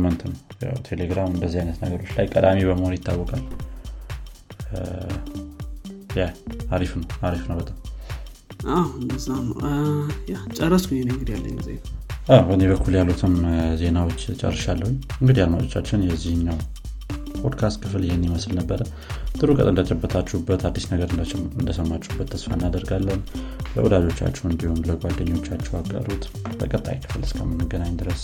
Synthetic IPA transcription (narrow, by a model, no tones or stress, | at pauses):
mːənt̪ʰɨnja̰wt̪ʰe̞le̞ɡɾamɨnd̪əzːihajnət̪nəɡəɾo̞t͡ʃːlajkʼəd̪amiβəməhoɾjɪt̪ːa̰wːɔkʼal | jaaɾifnəwaɾifnəwbət̪ʼam | ʔawɨnd̪əzan | jat͡ʃʼərːəskujenɨŋɡɨd̪ijalːə̰ɲ̰ːzḛʔawbəne̞βəkʰːuljalːut̪ʰɨmze̞nawo̞t͡ʃːt͡ʃʼə̰rːɨʃalːəhuɲːɨŋɡɨd̪ihad̪mat͡ʃʼo̞t͡ʃːat͡ʃːɪnjɛzːihɨɲːaw | pʰod̪kʰast̪̚kʰɨfljɪhenːiməslnəbːəɾə | t̪ʼɨɾukʼə̰t̪ʼɨnd̪ət͡ʃʼəbːət̪ʰat͡ʃːɛubːət̪ʰad̪ːisnəɡəɾɨd̪ɨnd̪əsəmːat͡ʃːuubːət̪ʰːəsfaɨnːad̪əɾɡalːən | lə̰wʔɔd̪ad͡ʒo̞t͡ʃːa̰t͡ʃːɛwɨnd̪iho̞nləɡʷad̪ːəɲːo̞t͡ʃːat͡ʃːɛwaɡə̰ɾut̪ | b̥ə̰kʼət̪ʼːa̰jikʰɨ̥fɨlɨskʰə̰mːɨnːɨɡːənaɲd̪ɨɾəs